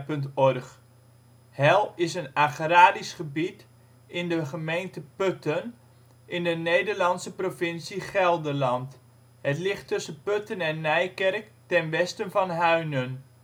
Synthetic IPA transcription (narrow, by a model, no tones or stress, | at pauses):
pɵntɔrχ | hɛlˠɪsənaχraːdisχəbit | ɪndəχəmejntəpɵtən | ʔɪndənejdəɹlɑnsəprovɪnsiχɛlˠdəlɑnt | ɦətlɪχtɵsənpøtənɛnːɛjkɛrk | tɛnʋɛstənvɑnɦœɥnən